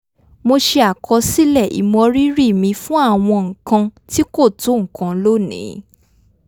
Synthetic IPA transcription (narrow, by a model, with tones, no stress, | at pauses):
mo˧ʃe˧a˨kʰɔ˧si˦lɛ˦˨ʔḭ˨mɔ̃˧ɾi˦ɾi˦˨mĩ˧fũ˦a˦˨w̃ɔ̃˧ŋ̩˨kã˧ti˦ko˦˨to˨˦ŋ̩̃˨kã˧˦lo˦˨nḭ̃˨˦